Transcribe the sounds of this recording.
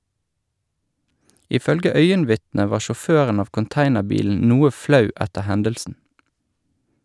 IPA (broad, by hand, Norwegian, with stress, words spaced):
ɪˈfœlɡə ˈœʏənˌʋɪtnə ˈʋɑː ʃɔˈføːʁən ˈɑːʋ kʊnˈtæɪnəˌbiːln̩ ˈnuːə ˈflɑʉ ˈɛtə ˈhɛndəlsn̩